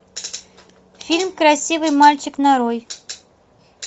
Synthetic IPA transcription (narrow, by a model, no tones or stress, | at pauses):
fʲilʲmkrasʲivɨjmalʲt͡ɕɪknaɾoj